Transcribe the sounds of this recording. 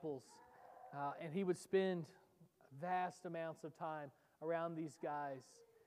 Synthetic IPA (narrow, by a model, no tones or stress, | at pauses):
pl̩ˠz̥ | ɨ̃niwɨd̥spɛ̃nd | væstəmãʊ̃ntsʌv̥tʰãɪ̃m | ə˞ãʊ̃nðizɡaɪz̥